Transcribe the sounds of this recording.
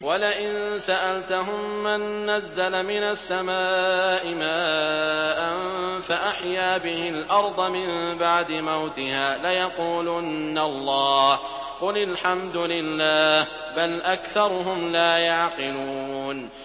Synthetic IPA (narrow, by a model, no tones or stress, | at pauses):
walɪʔɪnsaʔalt̪aɦʊmːanːazːalamɪnasːamaːʔɪmaːʔanfaʔaħjaːbɪhɪlʔɑɾˤd̪ˤɑmɪmbaʕd̪ɪmawt̪ɪhaːlajɑquːlʊnːalˤːɑːh | qʊlɪlħamd̪ʊlɪlːaːh | balʔakθɑɾˤʊɦʊmlaːjaʕqɪluːn